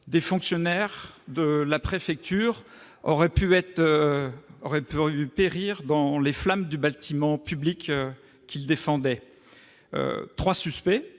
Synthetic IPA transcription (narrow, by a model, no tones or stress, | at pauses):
d̪efɔ̃ksjɔnɛʁd̪əlapχefɛk̚t̪yʁ | ɔ̰ʁɛpyɛt̪ | ɔʁɛpyypeʁiʁd̪ɑ̃leflamd̪ybat̪imɑ̃pyblikø | kʰʲild̪efɑ̃d̪ɛ | ø̰t̪χwasyspɛ